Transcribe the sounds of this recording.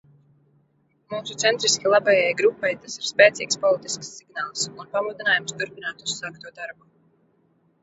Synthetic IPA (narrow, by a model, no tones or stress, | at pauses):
muːsut̪sɛnt̪ɾiskʲilˠabajajɡɾupːajt̪asiɾ̥spɛːt̪sḭːkspɔlˠit̪isksːiɡnaːlˠsunpamud̪inaːjumst̪uɾpinaːt̪usːaːkt̪uɔd̪aɾbu